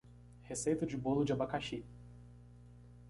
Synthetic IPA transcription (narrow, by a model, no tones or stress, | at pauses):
hesejt̪ɐd͡ʒɪbolʊd͡ʒɪabakaʃi